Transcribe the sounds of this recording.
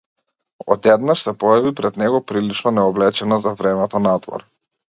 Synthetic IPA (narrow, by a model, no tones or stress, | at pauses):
ɔ̰d̪ɛd̪naʃsɛpɔjavipɾɛd̪nɛɡɔpɾilit͡ʃnɔnɛɔblɛt͡ʃɛnazavɾɛmɛt̪ɔnat̪vɔ̰ɾ